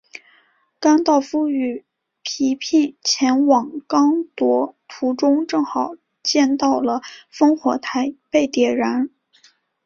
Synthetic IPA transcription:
ka˥nt̪ɑ˥˧ʊfu˥y˨˩ | pʰi˧˥pʰi˥˩nt͡ɕʰjɛ˧˥nwɑ˨˩ŋkɑ˥ŋt̪wɔ˧˥t̪ʰu˧˥ʈ͡ʂʊ˥ŋʈ͡ʂɤ˥˩ŋxɑ˨˩˦ʊ | t͡ɕjɛ˥˧nt̪ɑ˥˩ʊlə˩fɤ˥ŋxwɔ̰˧˥t̪ʰa˧˥ɪpe˥˩ɪt̪jɛ˨˩ɻa˧˥n

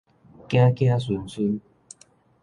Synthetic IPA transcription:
kj̃ã˦kj̃ã˦su˨nsu˦n

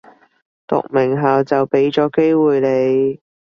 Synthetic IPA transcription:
t̪ʊ̰˨k̚mɪ˨˩ŋɦaː˨wt͡sɐ˨wpe˨˥jt͡sɔː˨˥ke˥jwuː˨jle˨˧j

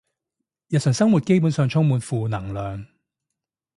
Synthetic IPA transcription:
jɐ˨t̚sʰœː˨˩ŋsɐ˥ŋmu˨t̚ke˥jp̬uː˨˥nsœː˨˧ŋt͡sʰʊ˥ŋmuː˨˧nfuː˨nɐ˨˩ŋlœː˨ŋ

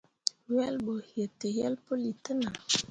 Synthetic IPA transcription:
wɛ˦lbo˨hjə˨tə˨jɛ˦lpo˦li˨tə˦na˨

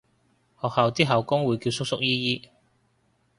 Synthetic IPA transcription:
hɔː˨k̚hɐ˨˧wt͡siː˥ɦɐ˨˩wkʊ˥ŋwuː˨˧jkiː˧wsʊ˥k̚sʊ˥k̚jiː˥jiː˥

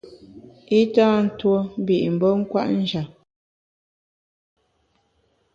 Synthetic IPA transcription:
i˦taː˦n̩˦two˦m̩˦bi˨ʔm̩˨bɔ˦ŋ̩˦kwa̰˦ʔn̩˦d͡ʒa˨

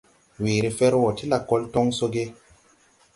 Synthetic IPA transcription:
wiː˨ɾi˦fe˦ɾwo˨ti˦la˨ko˦ltɔ˦ŋso˦ɡe˦

